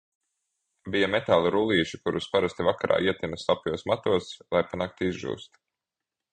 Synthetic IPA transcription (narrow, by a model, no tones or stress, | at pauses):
bijamɛt̪aːlˠuɾulˠiːʒikuɾuspaɾast̪ivakaɾʔa̰ːiɛt̪inɐslˠapjuɔsmat̪uɔslˠajpanak̚t̪izʒṵːst̪